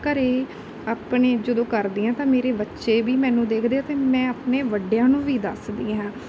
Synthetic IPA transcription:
kəɾeː | aːpɳeːd͡ʒəd̪õːkəɾd̪iːãːt̪ãːmeːɾeːbətːʃeːbiːmɛ̃ːnũːd̪eːkʰd̪eːat̪eːmɛ̃ːəpneːʋəɖejãːnũːʋiːd̪əsd̪ĩːɦɛ̃ː

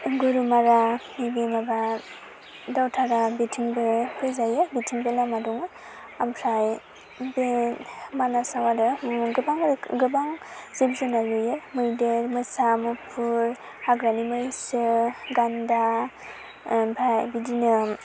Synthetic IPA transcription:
ɡuɾumaɾamibemaba | dawtʰaɾabitʰiŋbɯbɯzajɯbitʰiŋbelamadɔŋɯ | ampʰaj | bemanasawadɯɡɯbaŋɡɯbaŋz̥ibzɯnalujemɯdeɾmɯsamɯpʰuɾ | haɡɾanimɯjsɯɡanda | bʰajbidinɯ

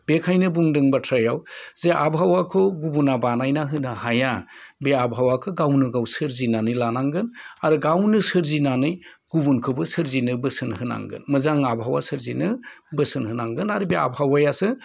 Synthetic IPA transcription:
bekʰajnɯbuŋdɯŋbatʰɾajawzeʔabɦawakʰɯɡubunabanajnaɦɯnɯhajabeabʱawakʰɯɡawnɯɡawsɯɾzinanɯjlanaŋɡɯnaɾɯɡawnɯsɯɾzinanɯjɡ̥ubunkʰɯbɯsɯɾzinɯbɯsɯnhɯna̰ŋɡɯ̰nmɯzaŋabʱɦawa̰sɯɾzinɯbɯsɯnhɯnaŋɡɯnaɾɯbea̰bʱhawajasɯ

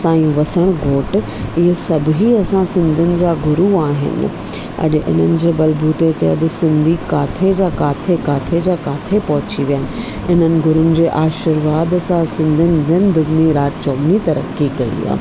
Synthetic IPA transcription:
sãːiũʋɐsəɽ̃ɡʱoːʈ | ɪɦesɐbʱɦiɐsãsɪ̃nd̪ʱʊnɪ̆d͡ʑaːɡʱʊɾuaːɦɪ̰nɪ̰ | ɐ̰ʄ̆ʔɪ̰n̤ənɪ̆d͡ʑeːbɐlbuːt̪et̪eɐʄsɪ̃nd̪ʱikaːt̪ʰed͡ʑaːkaːt̪ʰekaːt̪ʰed͡ʑaːkaːt̪ʰepɐɦʊt͡ɕiʋijaːɦɪnɪ̆ | ɪn̤ənɪ̆ɡʱʊɾʊnɪ̆d͡ʑeːʔaːʃəɾʋaːd̪ɐsãsɪ̃nd̪ʱənɪd̪ʱənɪ̆d̪ʊɡniɾaːtt͡ɕɔːmnit̪ɐɾə̰kːiɡɐḭa̰ː

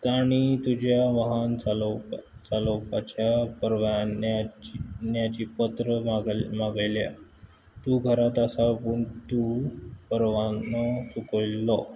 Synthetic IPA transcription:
t̪aɽ̃it̪ud͡ʑjaʋaɦanat͡salopat͡ɕjapəɾʋan | njat͡ɕiːpət̪ɾəmaɡmaɡjlja̰ | t̪uːɡʱəɾat̪asapəɳt̪upəɾʋanəsukilːɔ

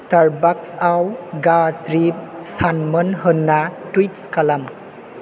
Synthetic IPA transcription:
taɾbaksawɡasɾip̚sanmɯnɦɯnːatwitskɐlɐm

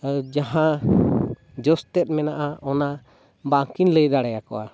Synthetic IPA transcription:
d͡ʒaɦã | d͡ʒɔst̪ɛt̪̚ˀmɛnaʔaɔna | baŋkinləjd̪aɽɛjakɔwʔa̰

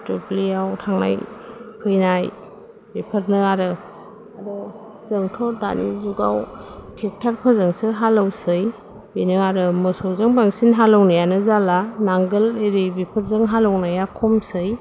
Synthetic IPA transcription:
tupliawtʰaŋna̰jkʰɯjnaj | bipʰɯɾnɯaɾɯ | adɔ | zɯŋtʰɔda̰nizuɡawtʰek̚tʰaɾpʰɯzɯŋsɯɦalawsɯj | benɯaɾɯmɯsɔzɯŋbaŋsinɦalɔwnajanɯzalanaŋɡɯleɾibipʰəɾzɯŋɦalɔwnajakʰɔmsɯj

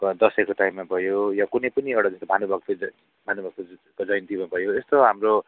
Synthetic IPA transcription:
d̪ʌsekoʈajmːabʱʌjojakunʌjpʌnieɽʌd͡zʌst̪obʱanubʱʌkt̪o | bʱanubʱʌk̚t̪okod͡zʌjnt̪imãbʱʌjoest̪oɦamɾo

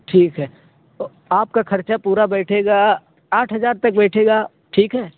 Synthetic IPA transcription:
ʈʰiːkɦɛː | t̪o | aːp̚kaxʰɐɾt͡ʃapuːɾabɛːʈʰeːɡaː | aːʈʰɦɐzaːɾt̪ɐk̚bɛːʈʰeːɡaː | ʈʰiːkɦɛː

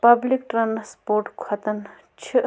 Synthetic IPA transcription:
pɐblik̚ʈɾaːnspoːɾʈkʰɐt̪ən | t͡ʃʰi

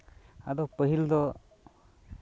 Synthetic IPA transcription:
ad̪ɔwpəɦild̪ɔ

